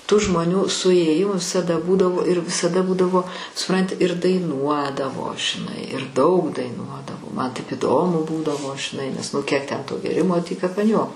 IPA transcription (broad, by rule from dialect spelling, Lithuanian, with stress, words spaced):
tuː ʒmoːˈnʲuː sʊeːˈjɪmʊ ʋʲɪsɐˈdɐ ˈbuːdɐʋoː ɪr ʋʲɪsɐˈdɐ ˈbuːdɐʋoː sʊˈprɐnʲtʲɪ ɪr dɐɪˈnuɔdɐʋoː ʒʲɪˈnɐɪ ɪr dɐʊk dɐɪˈnuɔdɐʋoː ˈmɐn ˈtɐɪp iːˈdoːmʊ ˈbuːdɐʋoː ʒʲɪˈnɐɪ nʲɛs ˈnʊ kʲiɛk ˈtʲɛn toː ɡʲeːˈrʲɪmoː ˈtʲiː kɐp ɐn ˈjuɔkoː